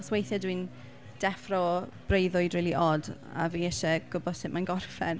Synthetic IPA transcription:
swejθjɛdwin | d̥ɛfrɔb̥rejðʊɨdriːlˠiʔɔda̰viːɛʃɛɡ̥ʊbɔd̥sɪʔmanɡɔrfɛn

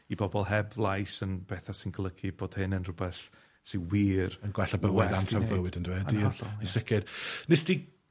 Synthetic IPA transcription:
ibɔbɔlˠɦɛblˠajsənb̥ɛθasɪnɡəlˠəɡʰiboːd̥hɪnənrʊbɛθ | sɪnwiːrənɡwɛɬabəwɛðantʰavvlˠəwɪdəndwɛdiisɛkʰɪdnɪsd̥i

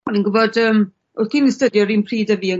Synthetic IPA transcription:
ɔninɡʊbɔdəːm | ʊ̥inəstədjɔɾiːnpʰriːdəviə

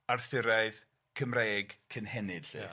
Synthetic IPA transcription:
arθɪɾaɨð | kʰəmreːɡ̥kʰənhɛnɪd̥ɬɨ̰

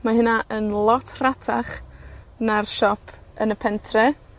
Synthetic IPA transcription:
maɦɪnaʔənlˠɔtʰratʰaχ | narʃɔpʰənəpʰɛntʰrɛ

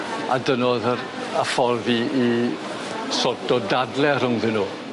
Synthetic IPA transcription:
adənoðəɾ | əfɔrðii | sɔtɔdadlɛr̥ʊŋðɪnuː

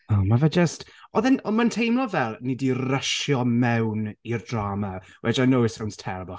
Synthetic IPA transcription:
ɔːmavəd͡ʒəstɔðɛnɔmantʰejmlˠɔvɛlˠnidirəʃjɔmɛwnirdraːmawɛd͡ʒajnowɪsawnstʰɛɾbɔ

